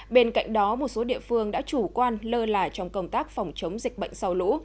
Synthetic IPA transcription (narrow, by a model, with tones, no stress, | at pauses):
ɓe˧nka̰˧˨jŋ̟ɗɔ˨˦mo˨˩t̚so˨˦ɗḭ˧˨əfɨ˧əŋɗa̰ː˧˥t͡ɕu˧˩kwaː˧nləː˧laː˨˩t͡ɕɔ˧wŋ͡mkə˧wŋ͡mt̪aː˦˥k̚fa˨˩wŋ͡mt͡ɕə˨˦wŋ͡mzi˨˩k̟̚ɓə̰˧˨ŋ̟sa˧wlṵ˧˥